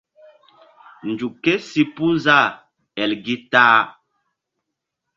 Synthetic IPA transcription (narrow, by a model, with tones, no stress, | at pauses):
n˨d͡ʒu˨kːe˦si˦pu˦nza˦˨ | ɛ˨lɡi˦taː˦